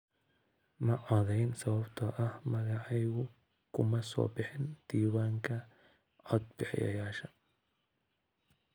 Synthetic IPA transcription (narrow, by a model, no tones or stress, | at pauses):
mɐʕɔðɛjnsɐβɐbt̪ʰɐʔɐhmɐɣɑʕɑjɣʊ | kʰʊmɐsɔ̰ːbɪħɪnd̪̥iːwaːŋkʰɐ | ʕɔd̪̚bɪħjɐ̰jaːʃɐ